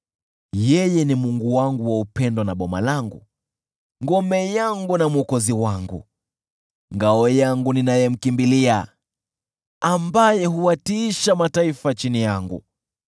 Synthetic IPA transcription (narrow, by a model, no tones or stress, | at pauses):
jɛjɛnimuŋɡuwaŋɡuwaupɛndɔnaɓɔma̰laŋɡṵ | ŋɡɔmɛjaŋɡunamɔkɔziwaŋɡṵ | ŋɡaɔjaŋɡuninajɛm̩kimbilia | ambajɛɦuwatiiʃamataifat͡ʃinijaŋɡṵ